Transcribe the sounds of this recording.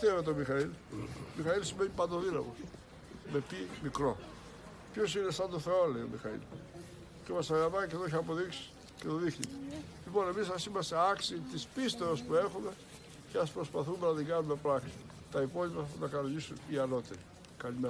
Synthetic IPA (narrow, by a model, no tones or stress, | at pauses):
t̪evet̪̬omixɐilmixɐilsimeɲipɐnd̪oðinɐ̰mos | me̞pimikɾo̞ | pço̞sinest̪ɐnd̪oθe̞olejomixɐḭl | cemɐsɐɣɐpɐceðoiçɐːpo̞ðiksi̥ | ce̞t̪oðixnḭt̪elipo̞ne̞misɐsimɐst̪eɐksit̪ispist̪oospue̞xume̞ | ceɐspɾo̞spɐθume̞nɐt̪iŋɡɐnume̞pɾɐksi̥ | t̪ɐipo̞lipɐnɐkɐnoɲisuniɐno̞t̪eɾi | kɐlime